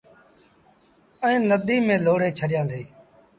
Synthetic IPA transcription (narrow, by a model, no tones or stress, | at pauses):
əẽːnəd̪iːmẽːloːɽ̤eːt͡ʃʰəɗɪjãːd̪eː